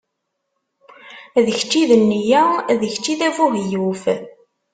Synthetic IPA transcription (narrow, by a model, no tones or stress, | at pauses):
ðəçt͡ʃːiðənːijæðəçt͡ʃːiðævuɦjuf